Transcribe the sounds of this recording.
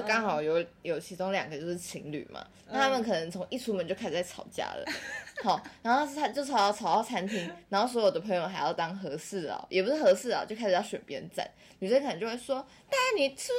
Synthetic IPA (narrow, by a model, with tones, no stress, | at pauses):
kɑ˥ŋxɑ˨˩ʊjo˨˧˦ʊjo˨˩ʊt͡ɕʰi˧˥ʈ͡ʂo˥ŋljɑ̰˨˩ŋɡə˩˦jo˥˧ʊʂ̩˥˩t͡ɕʰi˧˥ŋly̰˨˩mɐ̰˩˦na˥˩t̪ʰa˥mə˨nkʰɤ˨˩nə˧˦ŋt͡sʰo˧˥ŋi˥˩ʈ͡ʂʰu˥mə˨nt͡ɕo˥ʊa˥ʂ̩˨˩t͡sa˥˩t͡sʰɑ̰˨˩ʊt͡ɕja̰˥lə̰˨˧hɑ˨˩ʊn˧˥xo˥˩˥t̪ʰa˥t͡ɕjo˥˩ʊt͡sʰɑ˨˩ʊjɑ˥ʊt͡sʰɑ˨˩ʊj̪ɑ˥˩t͡sʰa˧˥nt̪ʰi˧˥ŋna˧˥ŋxo˥˩ʊs̬ɔ˧˥jo˨˩d̪ə˩pʰɤ˧˥ŋjo˧xa˧˥ɪjɑ˥˩ʊt̪ɑ˥ŋxɤ˧˥sɹ̩˥˩l̰jʔɛ˨˩pu˧˥ʂɻ̩˥xɤ˧˥sɹ̩˥˩la̰˨˩t͡ɕjo˥˧ʊkʰa˥ɪʂ̩˩ɑ˥˩ɕɥɛ̰˨˩npjɛ̰˧˥nt͡sa̰˥˩n | y˨˩˥nkʰə˨˩nə˧˦t͡ɕjo˥˧ʊwswɔ˥ | t̪a˥˩ni˨˩ʂ̩˥˩b